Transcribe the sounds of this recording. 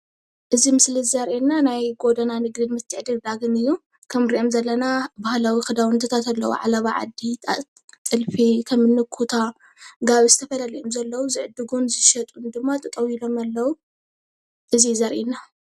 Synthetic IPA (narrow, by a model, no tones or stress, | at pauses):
ʔɨzimɨslizɐɾʔenːanajɡo̞d̪ɐnanɨɡd̪ɨnmɨt̪ʰːɨʕd̪ɨld̪aɡɨnɨjːu | kʰɐmɾiʔomzɐlːɐnabahlawixɨd̪awɨnt̪ʰɐt̪ʰat̪ʰalːɐwṵʕa̰laβaʕa̰d̪it̪ʰa̰ | t͡s̪ʼɨlfikʰɐmːɨnːɨkʰut̪ʰa | ɡaβizɨt̪ʰɐfɐlaliʔomzɐlːɐwuzɨʕɨd̪ɨɡunzɨʃɐt̪ʼund̪ɨmːat̪ʼɨk̪ʼɐwilo̞malːɐwu | ʔɨzizɐɾʔenːa